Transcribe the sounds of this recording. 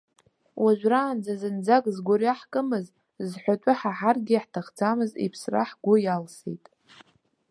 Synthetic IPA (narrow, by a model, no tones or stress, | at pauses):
wʔaʒʷᶣraːnd͡zazɨnd͡zaɡʼzɡʷoɾaħkʼɨmɨz | zħʷatʷʼɨħaħarɡʲiħtʰaχd͡zamɨzḭpʰsra̰ħɡʷʊjalsḛtʼ